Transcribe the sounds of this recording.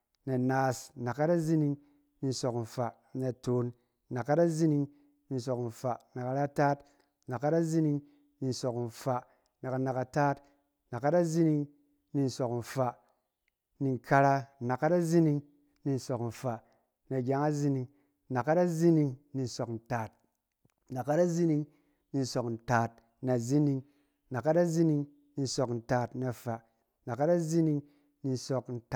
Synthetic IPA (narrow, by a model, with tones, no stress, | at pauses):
ne˨naː˨sna˨kːa˦ta˦zi˦ni˧ŋ | ni˧n̩˨so˨kn̩˨fa˨ | ne˨to˨n | na˨kːa˦da˦zi˦ni˧ŋ | ni˧n̩˨so˨kn̩˨fa˨na˨ka˧ɾa˦taː˦t | na˨kːa˦da˦zi˦ni˧ŋ | ni˧n̩˨so˨kn̩˨fa˨ | na˨ka˨na˨ka˧taː˦t | na˨kːa˦ta˦zi˦ni˧ŋ | ni˧n̩˨so˨kn̩˨fa˨ | ni˧n˨kʰa˧ɾa˧˨na˨kːa˦ta˦zi˦ni˧ŋ | ni˧n̩˨so˨kn̩˨fa˨ | na˨ɡʲa˧˦ŋa˦zi˦ni˧ŋ˦ | na˨kːa˦ta˦zi˦ni˧ŋni˧n̩˨so˨kn̩˨taː˨t̚ | na˨kːa˦ta˦zi˦ni˧ŋ | ni˧n̩˨so˨kn̩˨taː˨t̚ | na˨zi˦ni˧ŋ | na˨kːa˦ta˦zi˦ni˧ŋ | ni˧n̩˦so˨kn̩˨taː˨˧tna˨fa˨˦ | na˨kːa˦ta˦zi˦ni˦ŋ | ni˧n˨so˧kn̩˨t